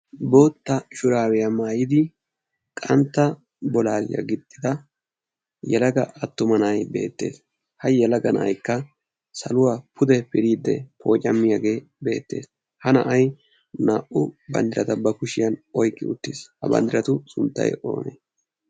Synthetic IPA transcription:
bo̞ːt̪ːɐʃʊɾaːwɛjamaːjɪd̪ɪ | kʼɐnt̪ːɐ | bɔlaːlɪjɐ̰ɡɪd̪ʼːɪd̪ɐ | jɛlɐɡɐ̰ʔɐt̪ːʊmɐnɐjbe̞̰ːt̪ːe̞̰ːs | hɐjɛlɐɡɐnɐ̰jkːɐ | sɐlʊwaːpʰʊd̪ɛpɪɾiːd̪ːɛ̰pʰo̞ːt͡ʃʼːɐmːɪjaɡe̞ː | be̞̰ːt̪ːe̞̰ːs | hɐnɐʔɐj | naːʔʊbɐ̰nd̪ɪɾɐt̪ɐbɐkʊʃɪjɐnɔjkʼːɪ̰ʊ̰t̪ːɪshɐbɐ̰nd̪ɪɾɐt̪ʊsʊnt̪ːɐ̰jo̞̰ːnḛːs

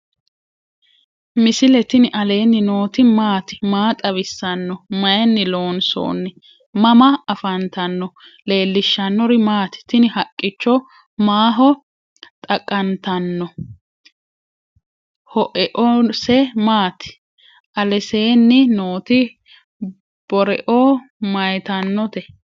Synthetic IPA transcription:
mɪsɪlɛt̪ɪnɪʔɐle̞ːnːɪnoːt̪ɪmaːt̪ɪ̥maːt̪ʼɐβɪsːɐnːɔmɐjɛnːɪlo̞ːnso̰ːnːɪ | mɐmɐɐfɐnt̪ɐnːɔ | le̞ːlːɪʃːɐnːɔɾɪmaːt̪ɪ̥t̪ɪnɪhɐkʼːɪt͡ʃːɔ | maːɦɔ | t̪ʼɐkʼːɐnt̪ɐnːɔ | hɔʔɛʔɔsɛmaːt̪ɪ̥ | ʔɐlɛse̞ːnːɪnoːt̪ɪ | b̥ɔɾɛʔo | mɐjt̪ɐnːɔt̪ɛ

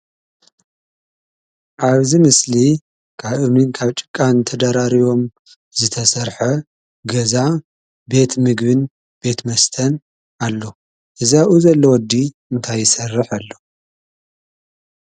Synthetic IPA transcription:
ʔaβzimɨsli | kʰaβʔɨnɨnkʰaβt͡ʃʼɨ̥kʼːant̪ʰɐd̪aɾaɾijo̞m | zɨt̪ʰɐsɐɾħɐ | ɡɐza | be̞t̪mɨɡβɨn | b̥e̞t̪mɐst̪ʰɐn | alːo | ʔɨzaʔuzɐlːɐwɔd̪ːi | ɨnt̪ʰajːɪsɐrːɨħalːo

